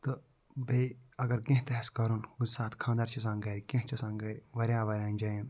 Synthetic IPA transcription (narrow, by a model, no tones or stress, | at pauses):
t̪ɨ | beɐɡɐɾɡẽɦt̪ɐɦɐskɐɾunusaːt̪kʰãːnd̪aːɾt͡ʃʰɐs̬ãːŋɡɐɾikẽɦt͡ʃɐsãːŋɡɐɾʲʋɐɾʲãːʋɐɾʲãːnʲd͡ʒajĩn